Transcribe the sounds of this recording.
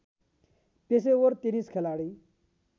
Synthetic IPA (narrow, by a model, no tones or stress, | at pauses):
peseʋəɾt̪iniːskʰelaɽi